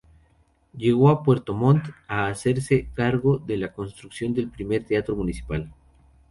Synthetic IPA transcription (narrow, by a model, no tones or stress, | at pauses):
ɟ͡ʝe̞ɣ̞o̞apwe̞ɾt̪o̞mõ̞nt̪aːse̞ɾse̞kaɾɣo̞ðe̞lako̞nst̪ɾuksjo̞nd̪e̞lpɾime̞ɾt̪eat̪ɾo̞munisi̥pal